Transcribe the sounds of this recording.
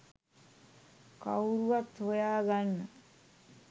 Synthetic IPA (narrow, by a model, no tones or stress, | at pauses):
kawɾuʋat̪ɦojaːɡanːə